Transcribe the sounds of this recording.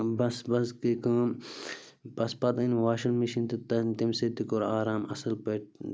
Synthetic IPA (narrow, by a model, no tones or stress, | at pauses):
bɐsbɐskekʰɐ̃ː | bɐspɐt̪ɐnʋaːʃɐlmiʃint̪it̪ɐt̪imset̪ikoɾaːɾaːmɐsɐlpeʈ̚